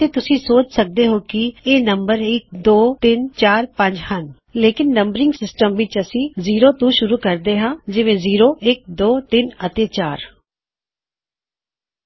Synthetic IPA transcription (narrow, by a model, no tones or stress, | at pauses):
t̪eːt̪ʊsĩːsoːt͡ʃsək̚d̪eːɦoːkɪeːnəmbəɾɪk̚d̪oːt̪ɪnt͡ʃaːɾpə̃ɲd͡ʒhən | leːkɪnːəmbəɾɪ̃ŋɡsɪsʈəmʋɪt͡ʃəsĩːziːɾoːt̪ũːʃʊɾuːkəɾd̪eːɦãːd͡ʒɪʋẽːziːɾoːʔɪk̚d̪oːt̪ɪnət̪eːt͡ʃaːɾ